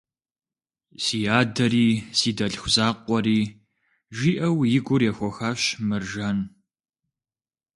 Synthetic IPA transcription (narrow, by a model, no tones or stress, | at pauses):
siːjaːdɐɾiːsiːdɐɬxʷʊzaːqʷɔɾiː | ʒiːʔɐwjɪɡʷʊrjɛxʷɔxaːɕmɨrʒɐn